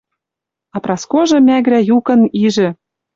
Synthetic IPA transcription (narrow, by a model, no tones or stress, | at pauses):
ɑprɑskoʒɤ̆mæɣɾæjukɤ̆niʒɘ̆